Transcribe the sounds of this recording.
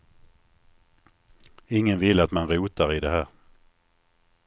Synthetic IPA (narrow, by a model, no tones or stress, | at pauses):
ɪŋːənvɪlːat̪manɾuːt̪aɾɪd̪ɛɦæːɾ